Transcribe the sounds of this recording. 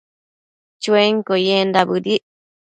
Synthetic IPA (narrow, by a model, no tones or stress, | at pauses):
t͡ʃueŋkojend̪abɨɾiʔ